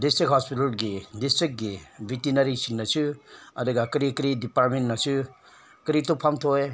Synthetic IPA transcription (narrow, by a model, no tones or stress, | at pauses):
distɾikɦɔspitalɡidistɾik̚ɡibʱitinaɾisinnasuɐdɯɡakɾikɾidipaɾmentnasu | kɾitupʰamtʰoj